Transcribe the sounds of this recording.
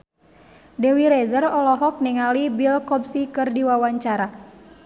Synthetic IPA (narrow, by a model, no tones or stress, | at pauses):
dɛwiɾɛzərɔlɔɦɔk̚nɛŋalibilkɔp̚sikɨrdiwawaɲt͡ʃaɾa